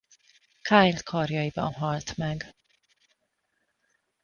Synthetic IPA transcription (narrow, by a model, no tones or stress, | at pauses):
kʰajlkʰɒrjɒjibɒ̰nɦɒlt̪mɛɡ